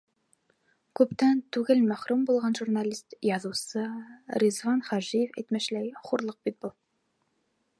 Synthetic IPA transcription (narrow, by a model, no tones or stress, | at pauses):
kʰʲɵpt̪ænt̪ʰyɡʲɪlmæχɾumbolˠʁɑnʒuɾnɑlist̪jɑzuwsɨɾizvɑnχɑʒijefɛjt̪mæʃlæjχuɾlˠəq̚bit̪̚bolˠ